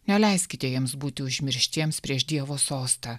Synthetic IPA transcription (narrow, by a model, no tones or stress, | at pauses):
nʲɛlʲɛɪsʲkʲɪt̪ʲɛjiɛmsbuːt̪ʲɪʊʒʲmʲɪɾʲʃʲt̪ʲiɛmspʲɾʲiɛʃd̪ʲiɛʋoːsoːst̪ɐ